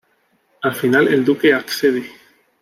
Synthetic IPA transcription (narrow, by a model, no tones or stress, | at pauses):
afinalḛld̪uke̞akseði